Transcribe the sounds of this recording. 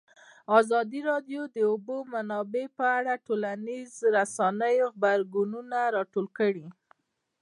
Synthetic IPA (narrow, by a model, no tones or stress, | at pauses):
ɑzɑd̪iɾɑdjod̪əʊbomanɑbepəaɽaʈolanizɾasɑnəjoɣbaɾɡununaɾɑʈolkəɽi